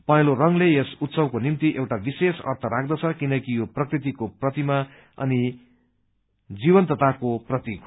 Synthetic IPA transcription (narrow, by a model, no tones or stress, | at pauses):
pʌj̃lorʌŋlejesut̪sʌbkonimt̪iʔewʈabisesʌ̰rt̪ʰʌɾak̚ʰd̪ʌt͡sʰʌkinʌkijoprʌkrit̪̬ikoprʌt̪ima | ʌ̰ni | d͡zibʌnt̪ʌt̪ʰakoprʌt̪i